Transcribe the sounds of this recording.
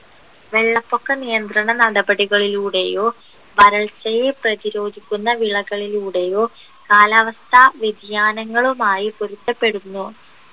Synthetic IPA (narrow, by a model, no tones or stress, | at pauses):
ʋe̞ɭːɐpːo̞kːenijɐnd̪rɐɳɐnɐɽɐbɐɽiɣɐɭiluːɽe̞jo̞ː | ʋɐɾɐɭsɐjeprɐðiɾo̞ːɡʱikʲːunːɐʋiɭɐɣɐɭiluːɽe̞jo̞ː | kaːlaːʋɐst̪ʰɐʋid̪ʱjaːnɐŋːɐɭumaːjipoɾut̪ːɐpːe̞ɽunːu